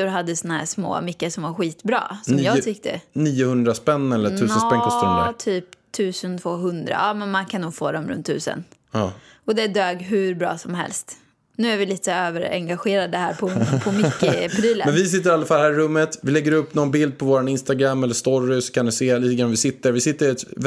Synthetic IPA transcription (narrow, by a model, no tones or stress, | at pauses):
ʊɾɦad̪ːəsɔnahæ̰ːʂmo̰ːmʏkːəʂɔmvaɾɧiːt̪bɾɑ̰ːsɔmjɑːɡt̪ʰʏkt̪ʰə̰niːʊhɵnd̪ɾaspɛnːɛlːətʰʉ̟ːənspɛŋɔst̪ɵnd̪əɾt̪ʰyːpt̪ʰːʉ̟ːsənt̪ʰvoːɦɵnd̪ɾa̰ɑmɛnmankʰanːuːɡfo̰ːd̪ɔmɾɵ̰nt̪ʰːʉ̟̰ːsə̰nɑːɔd̪ɛd̪øːɡɦʉ̟ɾbɾɑ̰ːsɔmɦɛ̰lst̪ | nʉ̟ːæɾvɪliːt̪ə̥øːvəɾɛ̰ŋɡaɧeːɾad̪əhæːɾpʰɔpʰɔmʏkːəpʰɾiːlə̰nmɛnvɪs̬ɪt̪ːəɾalːafalhæːɾɪɾɵmːət̪vɪlɛɡːəɾɵpːnɔnbɪld̪̚pʰɔvoːɾanɪnst̪aɡɾamːɛlːəʂt̪ɔɾɪsɔ̥kʰanɪseːliːt̪əɡɾanaɪsɪt̪ːəɾvɪsɪt̪ːəɾɪɛt̪